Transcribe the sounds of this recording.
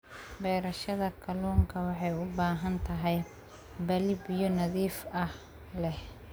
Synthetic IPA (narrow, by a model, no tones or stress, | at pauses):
bɛːɾɐʃɐðɐkʰɐlɔːŋkʰɐwɑħɑjʊbaːɦɐnt̪ʰɐɦɛj | bɐlɪbijɔnɐðiːfɐh | lɛh